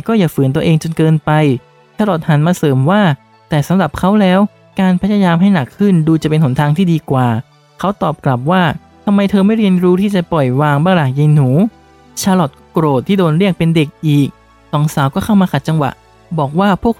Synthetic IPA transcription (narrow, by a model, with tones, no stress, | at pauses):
kɔː˥˩jaː˨˩fɯː˩˦nt̪u˧ɐ˧ʔeː˧ŋt͡ɕo˧nkɤː˧npa˧j | t͡ɕʰaː˧lɔ˨˩t̪̚ha˩˦nmaː˧sɤː˩˦mwaː˥˩ | t̪ɛː˨˩sa˨˦mɾa˨˩p̚kʰa˦˥wlɛː˦˥w | kaː˧npʰa˦˥jaː˧jaː˧mɦa˥˩jna˨˩kʰːɯ˥˩nduː˧t͡ɕa˨˩pe˧nho˩˦nt̪ʰaː˧ŋt̪ʰiː˥˩diː˧kwaː˨˩ | kʰa˦˥wt̪ɔː˨˩p̚kla˨˩p̚waː˥˩ | t̪ʰa˧mːa˧jt̪ʰɤː˧ma˥˩jɾi˧ənɾuː˦˥t̪ʰiː˥˩t͡ɕa˨˩pɔ˨˩jwaː˧ŋbaː˥˩ŋɾlaː˨˩ŋja˧jnuː˩˦ | t͡ɕʰaː˧lɔ˨˩t̪̚kːkɾoː˨˩t̪ʰːiː˥˩doː˧nɾi˥˩ək̚pe˧nde˨˩k̚ʔiː˨˩k̚ | sɔː˩˦ŋsaː˩˦wkɔː˥˩kʰa˥˩wmaː˧ka˨˩t̪̚t͡ɕa˧ŋwa̰˨˩ʔ | bɔː˨˩k̚waː˥˩pʰu˥˩ək̚